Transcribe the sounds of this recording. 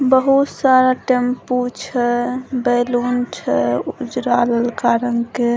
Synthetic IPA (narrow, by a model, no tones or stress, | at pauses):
bəɦut̪saɾaʈemput͡ʃʰɛbɛlunt͡ʃʰɛud͡ʒɾaləlkaɾənke